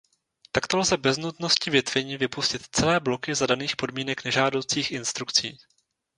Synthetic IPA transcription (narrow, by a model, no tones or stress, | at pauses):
t̪akt̪o̞lzɛbɛznut̪no̞scɪvjɪt̪v̥ɛɲiːvɪpuscɪt̪t͡sɛlɛːblo̞kɪzadaniːxpo̞dmiːnɛknɛʒaːdo̞wt͡siːxʔɪnst̪ɾukt͡sḭː